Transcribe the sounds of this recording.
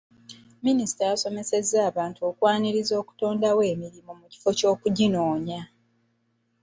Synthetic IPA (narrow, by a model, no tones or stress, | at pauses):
minisi̥tajaso̞me̞se̞zːaːβaːntuoːkwaːniɾizo̞ːku̥to̞ːndawe̞ːmiɾimomuci̥fo̞co̞ːkuɟino̞ːɲa